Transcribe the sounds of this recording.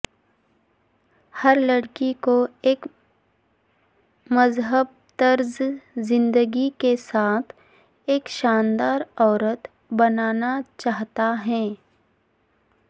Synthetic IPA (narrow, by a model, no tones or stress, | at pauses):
həɾlɐɽkikoeːk | mɐzɦəb̚ | t̪əɾzzɪ̃nd̪əɡikesaːt̪ʰ | eːkʃaːnd̪aːɾɔːɾət̪ | bɐnaːnat͡ʃaːɦt̪aɦɛ̃ː